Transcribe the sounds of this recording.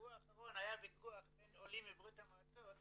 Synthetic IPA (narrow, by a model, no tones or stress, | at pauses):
uaːχaʁo̞najabikuaχbenolimibʁitamat͡sot̪